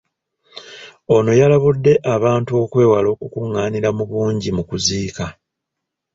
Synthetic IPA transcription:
o̞no̞jalaβudːe̞ʔaβaːntuo̞kwe̞ːwalo̞ːkukuŋːaːniɾamuβuːɲɟimukuziːka

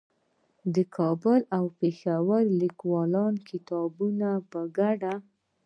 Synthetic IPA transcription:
d̪əkʰɑbʊlawpexawəɾlikwɑlɑnkʰɪt̪ɑbunapəɡaɖa

